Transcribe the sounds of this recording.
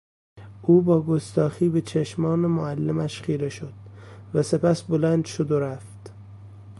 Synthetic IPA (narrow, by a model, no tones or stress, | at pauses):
ʔuːbɒːɡost̪ɒːxiːbet͡ʃʰeʃmɒːnemoælːemæʃχiːɾeʃod̪̥væse̞pæsbolænd̪ʃod̪oɾæft̪